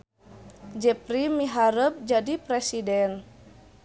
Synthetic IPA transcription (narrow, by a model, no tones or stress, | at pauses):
d͡ʒɛpɾimiɦaɾəp̚d͡ʒadipɾɛsidɛn